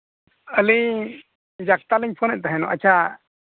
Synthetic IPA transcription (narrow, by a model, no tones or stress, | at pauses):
əli | d͡ʒak̚t̪aliɲpʰɔnɛʔ̚t̪aɦɛnɔʔa̰t͡ʃʰa